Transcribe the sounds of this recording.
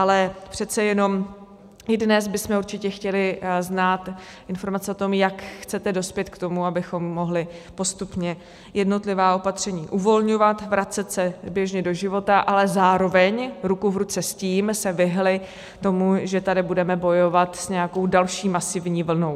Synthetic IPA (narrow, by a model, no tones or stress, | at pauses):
ʔalɛpr̝̥ɛt̪t͡sɛjɛno̞m | ʔɪdnɛzbɪsmɛuɾt͡ʃɪcɛxcɛlɪznaːt̪ | ʔɪnfo̞ɾmat͡sɛot̪o̞mjakxt͡sɛt̪ɛdo̞spjɛt̪kt̪o̞muabɪxo̞mːo̞ɦlɪpo̞st̪upɲɛ | jɛdno̞t̪lɪvaːo̞pat̪r̝̥ɛɲiːʔuvo̞lɲo̞vat̪vɾat͡sɛt̪sɛbjɛʒɲɛdo̞ʒɪvo̞t̪aʔalɛzaːɾo̞vɛɲɾukuvɾut͡sɛsciːmsɛvɪɦlɪ | t̪o̞muʒɛt̪adɪbudɛmɛbo̞jo̞vat̪sɲɛjako̞wdalʃiːmasɪvɲiːvl̩no̞w